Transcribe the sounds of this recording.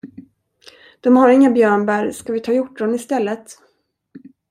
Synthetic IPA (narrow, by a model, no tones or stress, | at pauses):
d̪̥ɔmhaɾɪŋːabjœːɳbæɾskavɪt̪ʰɑːjʊʈːɔnɪst̪ɛlːət̪